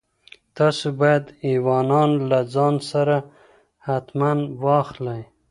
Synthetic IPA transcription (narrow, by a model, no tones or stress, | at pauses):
t̪ɑsobɑjad̪iwɑnɑnlad͡zɑnsaɾa | hat̪manwɑxlaj